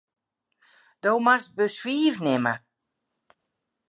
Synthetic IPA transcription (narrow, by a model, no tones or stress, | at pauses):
d̥oːmast̚bəswiːvnɪmə̰